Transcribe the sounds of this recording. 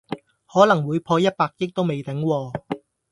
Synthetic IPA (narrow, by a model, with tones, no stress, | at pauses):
hɔː˨˥lɐ˨˩ŋwuː˨˧jpʰɔː˧jɐ˥t̚paː˧k̚jɪ˥k̚t̪o˥wme˨jt̪ɪ˨˥ŋwɔː˧